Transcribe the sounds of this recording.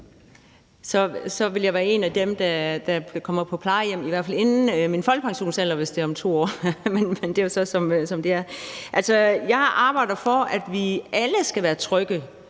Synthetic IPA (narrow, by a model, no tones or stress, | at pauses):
sɒ̽sɒ̽ʋe̝ljɑ̈ɪʋæːɐe̝næd̥emd̥æd̥ækʰɒ̽m̰ɐpʰɒ̽pʰlɑ̈ɪjem̰iʋæɐfæle̝nn̩minfɒl̰ɡ̥̚pʰɑ̈ŋɕo̝̰ːnsel̰ɐʋe̝sd̥e̝æɐɒ̽mt͡sʰo̝̰ːɒ̰ːmenmend̥e̝josɒ̽sɒ̽msɒ̽md̥e̝æɐʔælsɒ̽jɑ̈ɪʔɑ̈ːb̥ɑ̈ɪ̰d̥ðˠfɒ̽æd̥ʋiæləsɡ̥æʋæːɐt͡sʰʁœɡ̥ə